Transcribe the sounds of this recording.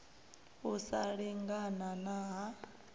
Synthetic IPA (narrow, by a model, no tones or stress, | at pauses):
usaɺiŋɡananaɦa